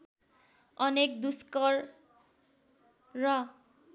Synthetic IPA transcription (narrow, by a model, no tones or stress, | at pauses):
ʌnek̚d̪uskʌr | rʌ